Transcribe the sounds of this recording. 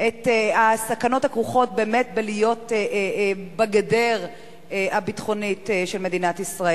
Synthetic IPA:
ʔetasakano̞thakʁuχo̞t̚be̞ːme̞tbelijo̞te | baɡadeʁ | abitχo̞nitʃelme̞dinatisʁae

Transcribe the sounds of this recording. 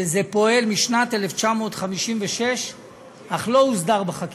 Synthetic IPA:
zepo̞e̞lmiʃnat̪eleft͡ʃamo̞ːt̪χamiʃimveʃeʃ | aχlo̞uzd̪aʁbaχak

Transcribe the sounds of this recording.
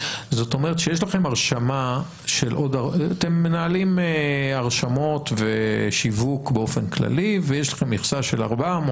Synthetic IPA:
zo̞t̪o̞meʁet̪ʃejeʃ̬laχe̞maʁʃama | ʃelʔo̞d̪aat̪emːenaːlimeaʁʃamo̞t̪veʃivukbeo̞fenkla̰livejeʃlaχe̞mːiχsaʃela̰ʁbamo

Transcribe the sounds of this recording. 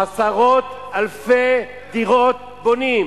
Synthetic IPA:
asaʁot̪alfe | d̪iʁot̪̚ | bonim

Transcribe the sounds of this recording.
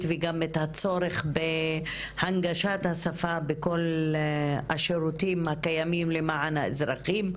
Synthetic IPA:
t̪veɡamet̪hat͡so̞ɾeχbe | haŋɡaʃat̪hasafabeko̞l | a̰ʃeɾut̪imhakajamimlemaʕanhaezɾaχim

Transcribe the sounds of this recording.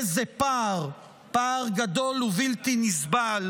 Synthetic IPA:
zepaʁ | paʁɡad̪o̞luvilt̪inisbal

